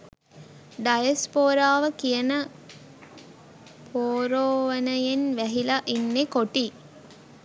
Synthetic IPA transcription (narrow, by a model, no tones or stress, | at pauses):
ɖɐjɐspoːɾaːʋəkijənə | poːɾoːʋənəjenʋæɦilaʔinːekoʈi